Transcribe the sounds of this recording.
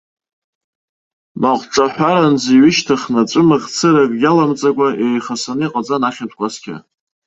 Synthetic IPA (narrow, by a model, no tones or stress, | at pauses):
maqʷʈ͡ʂʼaħʷᶣaɾand͡ziɥɪʃtʰaχnat͡ʃʷʼɨmɨχʲt͡sʰɨɾakʼɡʲalamt͡sʼakʷʼaejχasaniqʼat͡sʼanaχʲatʷʰʼkʷʰʼaskʲʰa̰